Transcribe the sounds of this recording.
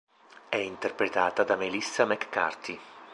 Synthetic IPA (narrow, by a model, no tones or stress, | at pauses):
ɛint̪erpɾet̪aːt̪ad̪amelisːamɛkːa̰rt̪i